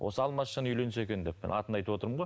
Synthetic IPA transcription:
wʔo̞̰səɑlˠmɑʃɑnəʏjlʲe̞nɪse̞kʲe̞nd̪e̞ppːɪ̰nɑ̰t̪ənɑjt̪əwo̞t̪əɾəmɴʁoj

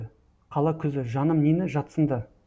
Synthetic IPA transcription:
qʰɑlˠɑkʲʰʏzɪʒɑnəmnenɪʒɑt̪sənd̪ə

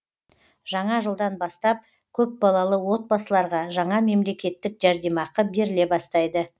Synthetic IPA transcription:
ʒɑɴɑʒəlˠd̪ɑnbɑst̪ɑp̚ | kʲʰɵp̚bɑlˠɑlˠəwo̞t̪̚bɑsəlˠɑɾʁɑʒɑɴɑme̞mle̞kʲe̞t̪ːɪkʒæɾd̪emɑqəbe̞ɾɪle̞bɑst̪ɑjd̪ə

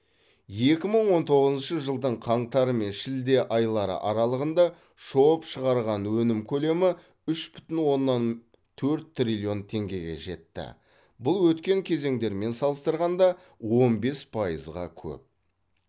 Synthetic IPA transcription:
je̞kʲɪməɴwo̞nt̪ʰo̞ʁəzənʃəʒəlˠd̪əɴqʰɑɴt̪ɑɾəme̞nʃɪld̪e̞ʔɑjlˠɑɾə̰ʔɑɾɑlˠəʁənd̪ɑ | ʃowəpʃəʁɑɾʁɑnwɵnɪmkʲʰɵle̞mɪ | ʏʃbʏt̪ɪnwo̞nːɑn | t̪ʰɵɾt̪t̪ːrʲilʲio̞nt̪ʰe̞ŋɡʲe̞ɡʲe̞̰ʒe̞̰t̪ːɪ̰ | bʊlˠwɵt̪kʲe̞ŋkʲʰe̞ze̞ŋd̪e̞ɾme̞nsɑlˠəst̪əɾʁɑnd̪ɑ | wo̞nbe̞spʰɑjəzʁɑ̰kʲʰɵ̰p̚

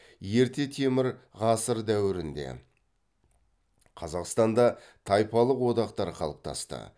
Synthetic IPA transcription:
je̞ɾt̪e̞t̪ʰe̞mɪɾ | ʁɑsəɾd̪æwɪɾɪnd̪e̞̰ | qʰɑzɑqst̪ɑnd̪ɑ | t̪ʰɑjpɑlˠəqwo̞d̪ɑqt̪ɑɾqʰɑ̰lˠəp̚t̪ʰɑ̰st̪ə̰

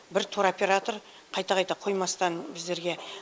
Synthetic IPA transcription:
bɪɾt̪ʰuɾopʲe̞ɾat̪oɾ | qʰɑjt̪ɑqʰɑjt̪ɑqʰo̞jmɑst̪ɑnbɪzd̪e̞ɾɡʲe

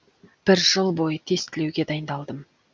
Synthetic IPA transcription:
b̥ɪɾʒəlˠbo̞jət̪ʰe̞st̪ɪlewɡʲe̞d̪ɑjənd̪ɑlˠd̪əm

